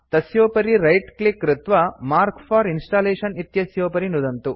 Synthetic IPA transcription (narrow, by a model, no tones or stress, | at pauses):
t̪ɐsjoːpɐɾiɾɐjʈklikːɾit̪ʋɐmaːɾkpʰaːɾinsʈaːleːʃɐnit̪jɐsjoːpɐɾinud̪ɐnt̪u